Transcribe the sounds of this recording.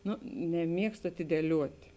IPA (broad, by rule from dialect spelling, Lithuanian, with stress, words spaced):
ˈnʊ nʲɛˈmʲiɛkstʊ ɐtʲɪdʲiɛˈlʲuɔtʲ